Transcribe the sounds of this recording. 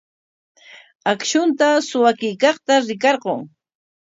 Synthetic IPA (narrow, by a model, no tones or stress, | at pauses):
akʃʊnt̪asʊwakɪjkɑχt̪aɾɪkɑɾqoŋ